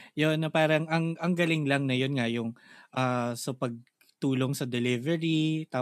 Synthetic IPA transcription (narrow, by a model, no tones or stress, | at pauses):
jonːɐpaːɾɐŋʔɐŋʔɐŋɡɐlɪŋlɐŋnɐjo̞nŋɐjʊŋʔaːsɐpɐɡ̚ | t̪uːlo̞ŋsɐd̪ɛlɪvɛɹit̪aː